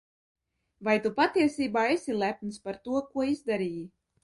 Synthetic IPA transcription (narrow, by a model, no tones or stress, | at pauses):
vajt̪upat̪iɛsiːbaːesilˠæpnspaɾt̪uɔkuɔizd̪aɾiːji